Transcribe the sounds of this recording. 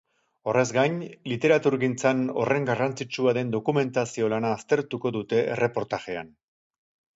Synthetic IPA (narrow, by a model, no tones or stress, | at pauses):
o̞re̞zɡajɲlit̪e̞ɾat̪uɾɣint͡sano̞̰re̞ŋɡarant͡sit͡ʃuaɾe̞nd̪o̞kume̞nt̪asio̞lanaːst̪e̞ɾt̪uko̞ðut̪e̞ḛre̞po̞ɾt̪aʝe̞a̰n